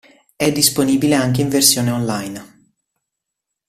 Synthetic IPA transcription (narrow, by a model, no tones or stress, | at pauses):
ɛd̪ːisponiːbileaŋk̟eiɱversjoːneonlajn